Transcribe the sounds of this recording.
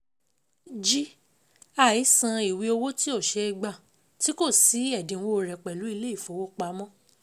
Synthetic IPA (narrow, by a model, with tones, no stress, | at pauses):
d͡ʒi˦ | a˦˨i˨˦sã˧i˨wi˧o˧wo˦ti˦o˦˨ʃe˧i˧ɡ͡ba˨ | ti˦ko˦˨si˨˦ɛ˦˨dĩ˨˦wo˦˨ɾɛ˨k͡pɛ˨lu˨˦i˧le˦i˦˨fo˨˦wo˦k͡pa˨˦mɔ̃˦